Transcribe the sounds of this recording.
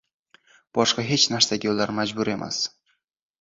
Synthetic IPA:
b̥ɒʃqɑɦe̞t͡ʃnaɾsaɡʲɪjolːaɾmad͡ʒbʊɾe̞mʔa̰s

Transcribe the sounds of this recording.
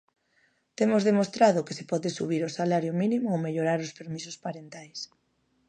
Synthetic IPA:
t̪emʊzðemost̪ɾaðʊkesepɔðɪsuβ̞iɾosalaɾjominimʊomeʎoɾaɾʊspeɾmisʊspaɾent̪ajs

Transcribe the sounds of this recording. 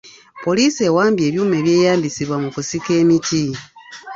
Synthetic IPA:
po̞liːse̞waːmbje̞ːβjuːme̞βje̞ːjaːmbisiβwamukusike̞ːmiti

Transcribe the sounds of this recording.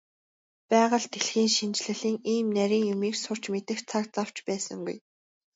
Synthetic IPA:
pæːʁə̆ɮt̪ʰeɮxiːŋʃint͡ɕɮɘ̆ɮiːŋiːmnæɾʲiːŋjʊmiːksʊr̥t͡ɕmet̪ɘ̆xt͡sʰakt͡saw̥t͡ɕpæːsə̰̆ŋɡṵj

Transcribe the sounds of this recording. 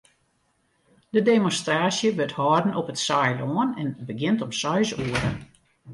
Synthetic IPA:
d̥ədemonstraːsjəʋøthɔːrdn̩ʔɔpətsajlɔənɛnbəɡɪntɔmsœɥsuəɾə̰

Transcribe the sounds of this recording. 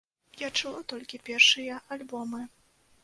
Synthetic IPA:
jat͡ʂɨlˠɔt̪ɔlʲkʲipʲɛrʂɨjɐʔalʲbɔmɨ

